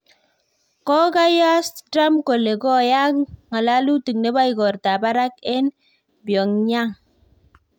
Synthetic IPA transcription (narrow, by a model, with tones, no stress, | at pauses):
kɔ˦ɡa˦ja˦sda˦mko˨le˨ɡɔ˦ja˦kŋa˨la˦lu˦ti˨ŋne˦ba˦i˨ɡɔ˨ɾta˨ba˦ɾa˦kɛ˦n | bjɔ˨ŋɲa˦ŋ